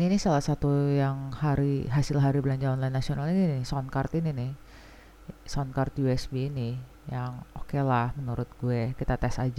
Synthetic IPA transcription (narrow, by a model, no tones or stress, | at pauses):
ninisalahsat̪ujaŋhaɾiɦasɪlɦaɾiblaɲd͡ʒaɔnlajnːasionalininɪhsɔnkart̪ininɪh | sɔnkart̪juɛsbiːnɪ | jaŋokelahmənuɾʊt̪̚ɡuekit̪at̪ɛsad͡ʒa